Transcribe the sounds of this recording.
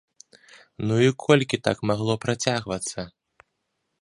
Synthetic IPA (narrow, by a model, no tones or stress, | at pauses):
nuikʰɔlʲkʲit̪a̰kmaɣlˠɔpɾat͡sʲaɣvɐt̪sːɐ